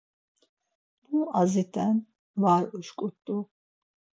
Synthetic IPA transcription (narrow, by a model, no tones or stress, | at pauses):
muazit̪ʰʼɛn | vaːɾuʃkʼut̪ʼːu